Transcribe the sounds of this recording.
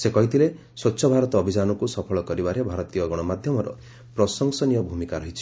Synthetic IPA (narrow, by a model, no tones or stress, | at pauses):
sekɔɦit̪ʰile | swɔtːʃʰɔbʱaɾɔt̪ɔːbʱid͡ʒanɔkusɔpʰɔɭɔkɔɾibaɾebʱaɾɔt̪ijɔɡɔɽ̃ɔmad̪ʱjɔmɔɾɔ̰ | pɾɔsɔŋsɔnijɔbʱumikaɾɔɦit͡ʃʰi̥